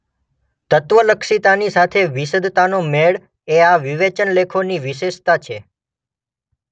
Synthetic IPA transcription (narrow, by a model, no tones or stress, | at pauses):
t̪ət̪ʋələkʃit̪anisat̪ʰeʋisəd̪ʱt̪anomeɭ | eaʋiʋet͡ʃənlekʰoniʋiʃeʃt̪at͡ʃʰe